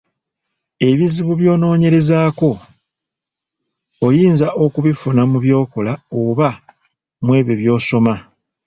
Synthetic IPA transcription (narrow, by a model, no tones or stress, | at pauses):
e̞βiziβuβjo̞ːno̞ːɲe̞ɾe̞zaːko̞ | jiːnzaʔo̞kuβifunamuβjo̞ːko̞laoβa | mwe̞ːβeβjo̞ːso̞ma